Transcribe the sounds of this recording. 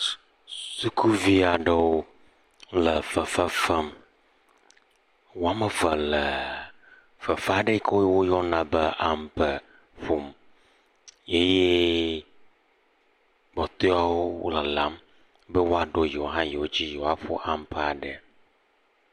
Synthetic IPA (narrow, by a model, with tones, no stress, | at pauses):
su˦kʰu˦vi˦a˨ɖə˦wo˦ | lə˨fə˨fə˦fə˦m | wo˦a˦mə˨və˨lə˨ | fə˨fa˦˨ɖe˦kʰo˦wwo˦jɔ˦nã˨bə˦ʔa˨mpə˨ | ɸo˨m | je˦je˦ | bɔ˨t̪o˦a˦wo˦wo̰˦lə˨la˨˦m | bə˦wo˦a˨ɖo˦ji˨o˨ɦã˦je˨wo˦d͡ʑi˦ji˨wa˦ɸo̰˦ʔa˦mpə˨a˨ɖə˨